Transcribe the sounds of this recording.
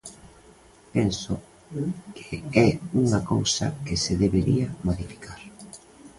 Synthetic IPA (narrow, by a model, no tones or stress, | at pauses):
pensʊ | kʰeɛuŋakowsɐ̰kɪseðeβeɾiamoðifi̥kʰaɾ